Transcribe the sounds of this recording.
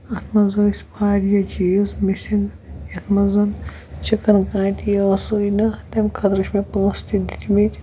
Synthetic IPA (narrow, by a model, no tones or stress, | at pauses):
ɐt̪ʰmɐzɐisʲpaːɾjɐt͡ʃizmisʲiŋɡjɐt̪ʰmɐzɐn | t͡ʃɐkɐnkãːt̪ijɐɐsoinɐt̪ɐmʲkʰɐt̪ɾɐʃmepõːst̪id̪it̪ʲmit̪ʲ